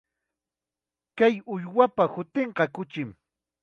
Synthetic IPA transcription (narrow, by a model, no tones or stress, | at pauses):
kajʊjwapahʊt̪eɴqɑkʊt͡ʃɪm